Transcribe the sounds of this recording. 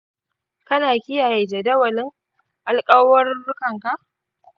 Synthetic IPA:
kɐ˦naː˨kʲɪ˦jaː˨je˨d͡ʒe˨dɐ˦wɐ˨lɪ˦ŋ | ʔa˨lkʼɐ˦wɐ˦rbʊ˦kɐ˨ŋka˨ʔ

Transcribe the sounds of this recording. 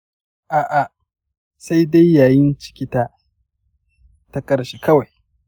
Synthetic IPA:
ʔaː˨ʔa˨ | sa˦jda˦jːaː˨jɪ˦nt͡ʃɪ̥˨kʲɪ˦taː˦ | ta˦kʼɐ˦ɾʃiː˨kɐ˦wa˨j

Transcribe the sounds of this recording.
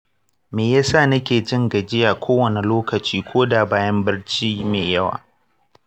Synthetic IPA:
meː˨jaː˦sa˦˨nɐ˦kʲeː˨d͡ʒɪ˦ŋɡɐ˨d͡ʒɪ˦jaː˨kʷʰoː˦wɐ˨ne˨loː˦kɐ˨t͡ʃiː˦kʷʰoː˦da˨baː˦jɐ˦mbɐ˦rt͡ʃiː˦meː˨jɐ˦wa̰ː˨

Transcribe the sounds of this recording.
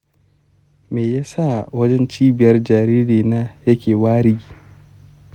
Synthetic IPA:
meː˨jaː˦sa˦˨wɐ˦d͡ʒɛ˦nt͡ʃiː˦bɪ˨jɐ˦rd͡ʒaː˨ɾiː˦ɽeː˨naː˦jɐ˦kʲeː˨waː˦ɾɪ˦ɡʲiː˦

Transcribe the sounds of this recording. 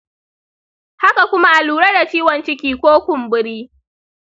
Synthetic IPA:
ha˦ka˨kʷʊ˦ma˦ʔa˨luː˨ɽe˦da˨t͡ʃiː˦wɐ˨nt͡ʃɪ˦kʲiː˦kʷoː˦kʷʊ˨mbɪ˦ɽiː˦

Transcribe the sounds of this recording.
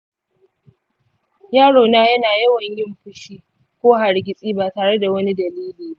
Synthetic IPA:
jaː˦ɽoː˨naː˦jɐ˦naː˨jɐ˦wɐ˨ɲjɪ˦mɸʊ˦ʃiː˦ | kʷoː˦ɦa˨ɽɡʲɪ˦sʼiː˦baː˨taː˨ɽe˦da˨wɐ˦ni˦dɐ˨liː˦liː˨ba˦

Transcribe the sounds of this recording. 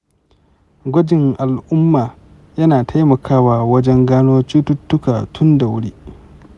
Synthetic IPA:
ɡʷɐ˦d͡ʒɪ˨ŋʔa˨lʔʊ˦mːaː˨ | jɐ˦naː˨tʰa˦jmɐ˨kʰaː˦waː˨wɐ˦d͡ʒɛ˦ŋɡaː˦noː˦t͡ʃiː˦tʊ˦tːʊ˦kaː˨tʰʊ˦nda˨wʊ˦ɽiː˦

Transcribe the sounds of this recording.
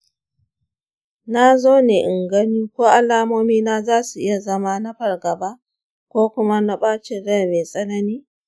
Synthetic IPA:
na˦zoː˦neː˨ʔɪ˨ŋɡɐ˦niː˦kʷoː˦ʔa˨laː˦moː˦miː˦na˦zaː˦su˨ʔɪ˦ja˨zɐ˦ma˦na˦ɸɐ˨rɡɐ˨baː˦ | kʷoː˦kʷʊ˦ma˦na˦ɓaː˦t͡ʃɪ˦ɾɛ˦˨meː˨sʼɐ˦nɐ˦niː˦

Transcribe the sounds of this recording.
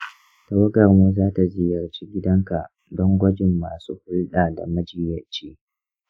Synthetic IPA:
ta˨wɐ˦ɡɐ˨rmuː˦zaː˦ta˨zɪ˦jɐ˨rt͡ʃiː˦ɡʲɪ˦dɐ˦ŋka˨ | dɔ˦ŋɡʷɐ˦d͡ʒɪ˨mːaː˨sṵː˦hʊ˦lɗaː˨da̰˨mɐ˦d͡ʒiː˨jɐ˨t͡ʃeː˦

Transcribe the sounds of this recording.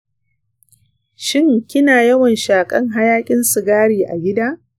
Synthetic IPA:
ʃɪ˦ŋkʲɪ˦naː˨jɐ˦wɐ˨nʃaː˨kʼɐ˦ŋɦa˦jaː˦kʲʼɪ˦nsʊ˨ɡaː˦ɽiː˨ʔa̰˨ɡʲɪ˦daː˦

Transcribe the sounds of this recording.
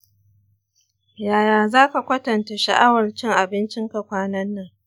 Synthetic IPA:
jaː˨jaː˨zaː˦ka˨kʷɐ˦tɐ˨nta˨ʃa˨ʔa˦wɐ˨rt͡ʃɪ˦ŋʔa˨bɪ˦nt͡ʃɪ˦ŋka˨kʷaː˦nɐ˦nːɐ˦ŋ

